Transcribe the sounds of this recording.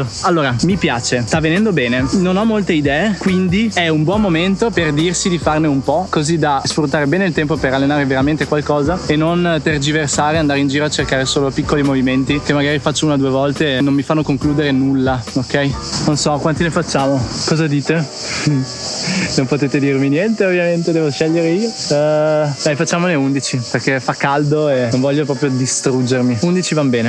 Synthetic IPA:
alːoːɾamipjaːt͡ʃest̪avːenɛnd̪obɛːnenonɔmːolt̪eid̪ɛːekwind̪iɛumbwɔmːoment̪operd̪irsid̪ifarneumpɔkozid̪asfɾut̪ːaːɾebɛːneilt̪ɛmpopeɾalːenaːɾeveɾament̪ekwalkɔːzaenːont̪erd͡ʒiversaːɾeand̪aɾeind͡ʒiːɾoat͡ʃːerkaːɾesoːlopikːolimoviment̪ikemːaɡaːɾifat͡ʃːouːnad̪uːevɔlt̪enomːifanːokoŋkluːd̪eɾenulːaokːɛjnonsɔkwant̪ilefat͡ʃːaːmokɔːzad̪iːt̪e | nompot̪eːt̪ed̪irminjɛnt̪eovːjament̪ed̪ɛːvoʃɛʎːeɾeio | d̪ajfat͡ʃːaːmoneund̪it͡ʃiperkefakːald̪oenonvɔʎːopɾɔːpɾjod̪ist̪ɾud͡ʒːermiund̪it͡ʃivambɛːne

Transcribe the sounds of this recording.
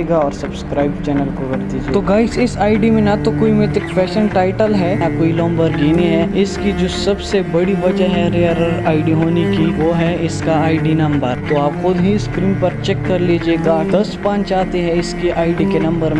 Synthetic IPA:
eɡaɔːɾsɐbskɾaːɪbt͡ʃɛːnəlkokɐɾd̪iːd͡ʒieːt̪oɡaːɪsɪsaːɪɖimẽnɐt̪okoːimet̪ɪkfʰɛːʃənʈaːɪʈəlɦɛnɐkoːilɔ̃ːmbəɾɡeːniɦɛɪskid͡ʒoːsɐbsebɐɽiʋɐd͡ʒəɦɛɾeəɾəɾaːɪɖiɦoːnekiʋoɦɛɪskaaːɪɖinɐ̃mbəɾt̪oaːpxʊd̪ɦĩɪskɾiːmpɐɾt͡ʃɛːkːɐɾliːd͡ʒieːɡaʈɐsʈpãːnt͡ʃaːt̪eɦɛ̃ɪskeʔaːɪɖikenɐ̃mbəɾmẽ

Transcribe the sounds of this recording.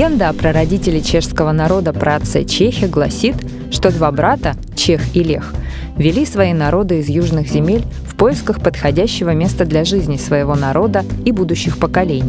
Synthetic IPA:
ɡʲend̪əɐpɾəɾɐdʲitʲɪlʲɪt͡ɕe̞ʂskəvənɐɾo̞d̪əpɾʔat̪sɨ̰t͡ɕexʲɪəɡlˠɐsʲit̪ | ʂt̪o̞d̪vabɾat̪ə | t͡ɕexɪlʲe̞̰x | vʲɪlʲisvɐinɐɾo̞d̪ɨɪzjuʐnɨxzʲɪmʲelʲ | fpo̞jɪskəxpət̪xɐdʲæɕːɪvəmʲe̞st̪əd̪lʲɐʐɨzʲnʲɪsvəjɪvo̞nɐɾo̞d̪əibud̪ʊɕːɪxpəkɐlʲenʲɪj

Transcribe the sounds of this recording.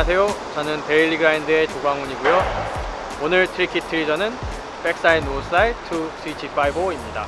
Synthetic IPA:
sʰe̞jot͡ɕʌnɯnpe̞iɭːiɡɯɾaindɯe̞t͡ɕoɡaŋuɲiɡujo | onɯɭtʰɯɾikʰitʰɯɾid͡ʑʌnɯn | pe̞k̚t͈ainosʰɯaitʰus͈ʰit͡ɕʰif͈ʰaiboimɲida

